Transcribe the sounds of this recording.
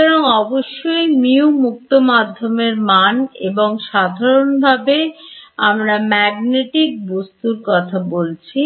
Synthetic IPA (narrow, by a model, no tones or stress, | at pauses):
ɔɾoŋɔboʃːojmiumuk̚t̪omad̪ʱːomeɾmanḛboŋʃad̪ʱaɾonbʱabeamɾamɛɡneʈik̚bost̪uɾkɔt̪ʰabolt͡ɕʰi